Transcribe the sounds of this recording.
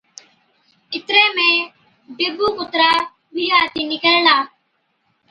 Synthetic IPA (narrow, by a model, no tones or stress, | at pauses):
ɪt̪ɾeːmẽː | ɖɪbuːkʊt̪ɾaː | bʱiːɦaːt̪iːnɪkəlnaː